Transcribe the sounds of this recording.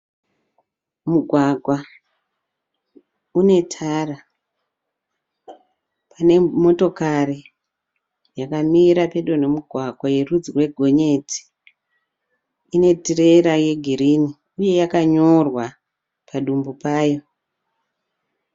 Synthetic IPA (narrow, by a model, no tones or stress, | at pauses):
muɡʱwaɡʱwa | une̞tʰara | pane̞mo̞to̞kari | jakamiɾape̞ɗone̞muɡʱwaɡʱwaje̞rud͡zirwe̞ɡʱo̞ɲe̞ti̥ | ine̞tire̞ɾaje̞ɡʱiɾini | uje̞jakaɲo̞rwa | pʰaɗumbupaːjo̞